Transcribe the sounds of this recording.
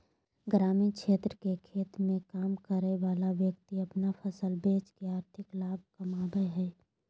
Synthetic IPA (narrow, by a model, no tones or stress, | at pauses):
ɡɾaːmikʰʃeːt̪ɾəkekʰeːt̪mẽkaːmkəɾeʋaːlaʋjəkt̪iɐpnapʰəsəlbeːt͡ʃkeaːɾt̪ʰɪklaːb̚ʱkɐmaːbəɦɛː